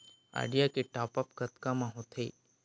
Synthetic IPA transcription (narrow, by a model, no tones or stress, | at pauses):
a̰ɪɖijakeʈapəpkət̪kamãɦot̪ʰḛː